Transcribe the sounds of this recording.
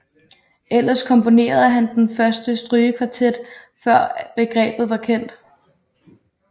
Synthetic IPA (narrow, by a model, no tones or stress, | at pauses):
el̰ɐskʰɒ̽mpʰo̝ne̝̰ːɐð̞̩ˠɦænd̥enfɶɐsd̥əsd̥ʁyːəkʰʋɑ̈t͡sʰed̥ | fɶɐ̰b̥e̝ɡ̥ʁɛ̰ːb̥ð̞̩ˠʋɑ̈kʰen̰d̥